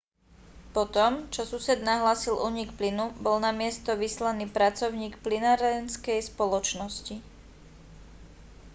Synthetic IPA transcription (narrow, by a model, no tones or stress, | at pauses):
pɔt̪ɔmt͡ʃɔsusɛd̪naɦlaːsilʔuːɲikplinubɔlnamɪɛst̪ɔʋislaniːpɾat͡sɔʊɲiːkplinaːɾɛnskɛjspɔlɔt͡ʃnɔsci